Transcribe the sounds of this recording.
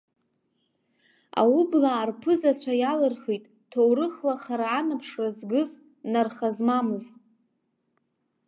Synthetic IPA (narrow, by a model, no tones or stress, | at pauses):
a̰wʊblaːrpʰɨzat͡ɕʷʰajalɨrχijtʼ | tʰowrɨχlaχaɾaːnapʰʂrazɡɨz | narχazmamɨz